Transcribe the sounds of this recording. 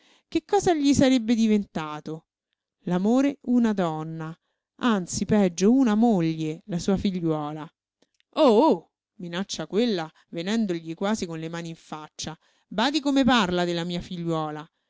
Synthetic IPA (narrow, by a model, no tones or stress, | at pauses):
kekːɔːzaʎisaɾebːed̪ivent̪aːt̪o | lamoːɾeunad̪ɔnːa | ant̪sipɛd͡ʒːounamoʎːelasuːafiʎːwɔːla | oo | minat͡ʃːakwelːa | venɛnd̪oʎikwaːzikonlemaːniiɱfat͡ʃːa | baːd̪ikomeparlad̪elːamiːafiʎːwɔːla